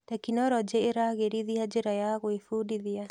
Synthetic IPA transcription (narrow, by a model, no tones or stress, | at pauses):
takinɔɾɔd͡ʒeːɾaɣeɾiðiad͡ʒeɾajaɣwefuːdiðia